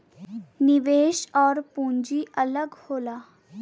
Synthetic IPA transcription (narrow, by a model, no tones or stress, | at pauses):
niʋeːʃɔːɾpũɲd͡ʑiʔələɡhoːla